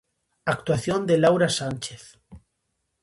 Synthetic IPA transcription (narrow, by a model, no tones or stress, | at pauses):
ak̚t̪waθjond̪elawɾasant͡ʃeθ